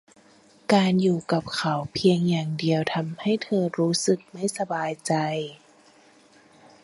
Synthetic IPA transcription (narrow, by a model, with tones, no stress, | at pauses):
kaː˧njuː˨˩ka˨˩p̚kʰa˨˦wpʰi˧əŋjaː˨˩ŋdi˧əwt̪ʰa˧mha˥˩jt̪ʰɤː˧ɾuː˦˥sɯ˨˩k̚ma˥˩jsa˧baː˧jt͡ɕa˧j